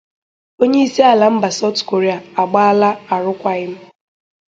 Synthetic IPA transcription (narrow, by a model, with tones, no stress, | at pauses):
o˦ɲe˦i˦si˦a˨la˨m̩˦ba˨sa˦ʊ˦tko˨ɾe˦a˨a˨ɡ͡ba˦a˦la˦a˨ɾʊ˦kʷa˦ɣɪ˦m̩˦